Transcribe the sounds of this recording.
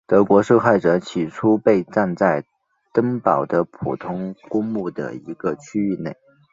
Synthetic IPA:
t̪ɤ˧˥kwɔ˧˥ʂo˥˧ʊxa˥˩ɪʈ͡ʂɤ˧˥t͡ɕʰi˨˩ʈ͡ʂʰu˥pe˥˧ɪʈ͡ʂa˥˧nt͡sa˥˩ɪ | t̪ə˥ŋpɑ˨˩ʊd̪ə˦pʰṵ˨˩t̪ʰʊ˥ŋkʊ˥ŋmu˥˩d̪ə̰˩i˧˥ɡ̥ə˧t͡ɕʰy˥y˥˧ne˥˩ɪ

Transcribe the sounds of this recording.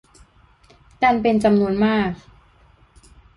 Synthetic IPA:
kaː˧npe˧nt͡ɕa˧mnu˧ənmaː˥˩k̚

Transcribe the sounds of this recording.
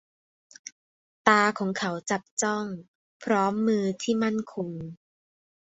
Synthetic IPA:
t̪aː˧kʰɔː˩˦ŋkʰa˩˦wt͡ɕa˨˩p̚t͡ɕɔ˥˩ŋ | pʰɾɔː˦˥mːɯː˧t̪ʰiː˥˩ma˥˩nkʰo˧ŋ

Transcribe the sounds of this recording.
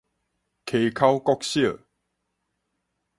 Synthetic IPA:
kʰe˨kʰa˦wkɔ˦k̚ɕjə˥˨

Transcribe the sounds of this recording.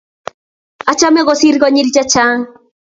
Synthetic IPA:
a˦t͡ʃa˦mɛ˦ɣɔ˦si˦ɾɡɔ˦ɲi˦ɾd͡ʒa˦t͡ʃa˦ŋ

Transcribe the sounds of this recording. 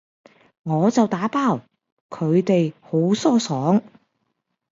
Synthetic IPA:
ŋɔː˨˧t͡sɐ˨wt̪aː˨˥paː˥˩w | kʰɵ˨˧ɥt̪e˨jho˨˥wsɔː˥sɔː˨˥ŋ

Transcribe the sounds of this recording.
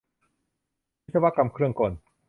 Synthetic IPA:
i˥t̪̚sa˧wa˧˥ka˧mkʰɾɯ˥˩əŋko˨˩n

